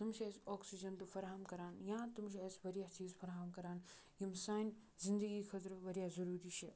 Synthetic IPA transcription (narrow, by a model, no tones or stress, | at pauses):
t̪umʃesɔːksid͡ʒɐnt̪ufɐɾaːɦɐmkɐɾaːnjãːt̪umʃ̬iɐsʋɐɾjaːt͡ʃiːzfʰɐɾaɦɐmkɐɾaːn | jimsaːn | zind̪ɐɡiːkʰɐt̪ɾʋɐɾjaːzɐɾuːɾiʃʰe